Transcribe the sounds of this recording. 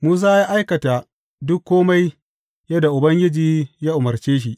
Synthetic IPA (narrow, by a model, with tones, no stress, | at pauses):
muː˦s̬aː˦ja˦ʔa˦jkɐ˨ta˨ | dʊ˦kːoː˦ma˦j | jɐ˦da˨ʔʊ˨bɐ˦ŋɡʲɪ˦d͡ʒiː˨jaː˦ʔʊ˨mɐ˨rt͡ʃeː˦ʃ̬i˦ʔ